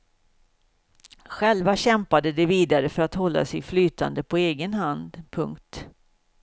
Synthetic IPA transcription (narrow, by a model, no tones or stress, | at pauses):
ɧɛlvaɕɛmpad̪əd̪ɛviːd̪aɾəfœɾat̪hɔlːa̰sɪflyːt̪ʰa̰nd̪əpʰɔeːɡənhand̪pʰɵŋkt̪